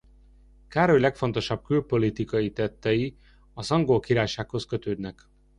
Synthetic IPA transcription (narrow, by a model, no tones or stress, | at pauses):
kaːɾo̞jlɛkfo̞nt̪o̞ʃɒb̚kylpo̞lit̪ikɒjit̪ɛt̪ːɛji | ɒzɒŋɡolkiɾaːjʃaːkho̞skø̞t̪øːd̪nɛk